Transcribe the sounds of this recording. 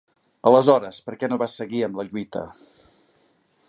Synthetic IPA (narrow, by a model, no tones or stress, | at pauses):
ələzɔɾəspəɾkɛnoβasəɣiəmləʎwit̪ə̰